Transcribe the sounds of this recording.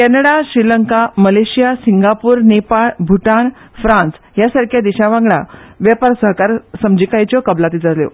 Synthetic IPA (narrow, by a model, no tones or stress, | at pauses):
kɛnəɽaɕɾiləŋkaməleɕijasiŋɡapuːɾnepaɭbʱuʈaɭ | fɾãns | jasaɾkʰjad̪iɕaʋãŋɡɭa̰ʋjapaɾsəɦkaɾsəmd͡ʑikajt͡ɕjɔkəblat̪id͡zaljo̰